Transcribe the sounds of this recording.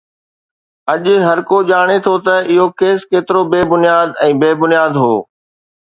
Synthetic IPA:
ɐʄɦɐɾkoʄaːɽ̃et̪ʰot̪ɐɪɦokeːskeːt̪ɪɾobeːbʊnijaːd̪ɛ̃ːbeːbʊnijaːd̪ɦoː

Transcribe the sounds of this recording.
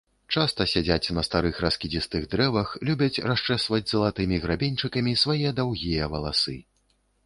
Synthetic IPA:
t͡ʂast̪ɐsʲad͡zʲat͡sʲnɐst̪aɾɨxɾaskʲid͡zʲist̪ɨɣd̪ɾɛvɐxlʲubʲɐt͡sʲrast͡ʂɛsvɐd͡zʲzɐlˠat̪ɨmʲiɣɾabʲenʲt͡ʂɨkɐmʲisvajɛd̪awɣʲijɛvɐlˠasɨ

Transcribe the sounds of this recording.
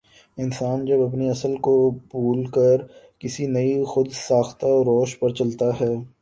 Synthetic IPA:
ɪnsaːnd͡ʒɐbɐp̬niɐsəlkobuːlkəɾ | kɪsinɐixʊd̪saːxt̪aɾɔːʃpɐɾt͡ʃɐlt̪aɦɛː

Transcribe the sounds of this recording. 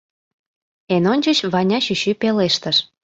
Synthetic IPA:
enonʲt͡ɕət͡ɕβɑnʲɑɕyɕypeleʃt̪əʃ

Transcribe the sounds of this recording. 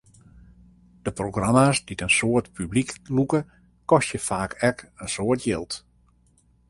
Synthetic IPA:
d̥əproɡramasd̥itənsoːərtpybliklukə | kɔstjəfaːkʰɛkənsoːtʰjɪlˠt

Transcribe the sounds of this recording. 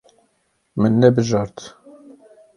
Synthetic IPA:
mɨnːɛbɨʒɑːɾt̪

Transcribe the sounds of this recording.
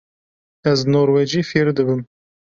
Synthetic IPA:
ɛznoːɾwɛd͡ʒiːfiɾd̪ɨbɨm

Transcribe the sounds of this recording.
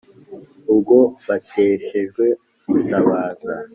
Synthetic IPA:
ub̚ɡo̞βatʰeːʃe̞ʒɡwe̞ | βutʰaβaːza̰

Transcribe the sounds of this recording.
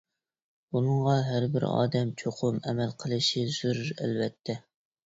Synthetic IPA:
bunɨɴʁɑɦæɾbɪ̰ɾɑ̰ːd̪ɛmt͡ʃʰoqʰʊmɛmɛlqʰəlˠɨʃiz̥uɾɾɛ̰lvɛt̪ʰːɛ

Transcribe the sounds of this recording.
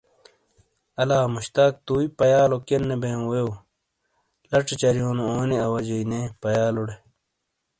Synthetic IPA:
ɐlaːmuɕt̪aːk̚t̪uːipɐjaːlokenːebẽːwew | lɐʈ͡ʂet͡ɕɐɾjoːnooːniɐwɐd͡ʑɐjnepɐjaːluɽe

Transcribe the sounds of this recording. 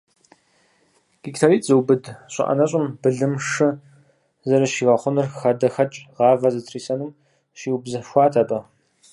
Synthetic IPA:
ɡ̥iktʰaɾiːtzɨwbɨdɕʷʼɪ̰ʔɐ̰nɐɕʼɪmbɨɮɨmʂɨ | zɐɾɐʃiːʁɐχʷʊnɨrxɐdɐxɐt͡ʃʼʁɑːvɐzɨtʰriːsɐnum | ʃiːwbzɐʃʷɑːtʰɐpʼɐ

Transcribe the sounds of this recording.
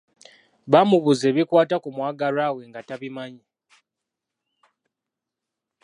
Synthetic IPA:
βamuβuze̞ːβikwaːtakumwaːɡaɾaːwe̞ŋɡataβimaɲa

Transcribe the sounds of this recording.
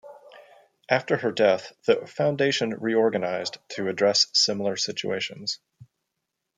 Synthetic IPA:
ʔæftə˞ə˞dɛθðɨfãʊ̃ndeɪʃɨ̃nɹiɔɹɡɨnaɪztʰɨɨdɹɛssɪ̃ml̩ˠə˞sɪt͡ʃʉ̰eɪʃɨ̃nz̥

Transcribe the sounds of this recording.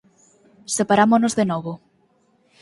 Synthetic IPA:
sepaɾamonozðenɔβo

